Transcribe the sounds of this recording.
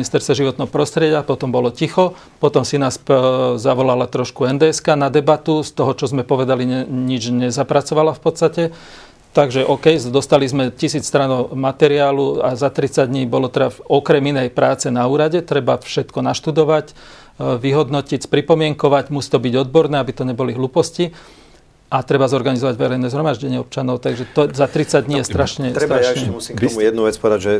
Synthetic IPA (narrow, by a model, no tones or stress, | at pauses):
nist̪ɛɾst̪ʋɛʒiʋɔt̪nɛɦɔpɾɔst̪ɾɪjɛɟɪapɔt̪ɔmbɔlɔcixɔ | pɔt̪ɔmsinaːszaʋɔlalat̪ɾɔʃkuɛnd̪ɛskanad̪ɛbat̪ust̪ɔɦɔt͡ʃɔzmɛpɔʋɛd̪aliɛɲid͡ʒɲɛzapɾat͡sɔʋalafpɔt̪st̪acɛ | t̪aɡʒɛʔɔkɛjd̪ɔst̪alizmɛcisiːt͡sst̪ɾanɔmat̪ɛɾiaːluazat̪ɾit͡saɟdɲiːbɔlɔt̪ɛd̪aɔkɾɛminɛjpɾaːt͡sɛnauːɾaɟɛt̪ɾɛbafʃɛt̪kɔnaʃt̪ud̪ɔʋac | ʋiɦɔd̪nɔcicspɾipɔmɪɛŋkɔʋaɟmusi̥t̪ɔbiɟɔd̪̚bɔɾnɛːabit̪ɔɲɛbɔliɦluːpɔsci | ʔat̪ɾɛbazɔɾɡanizɔʋaɟʋɛɾɛjnɛːzɦɾɔmaʒɟɛɲɪɛɔp̚t͡ʃanɔʊt̪aɡʒɛt̪ɔzat̪ɾit͡saɟd̪ɲiːjɛst̪ɾaʃɲɛt̪ɾɛt̪aʃɛmusiːɔujɛd̪nuʋɛt͡spɔʋɛd̪aɟʒɛ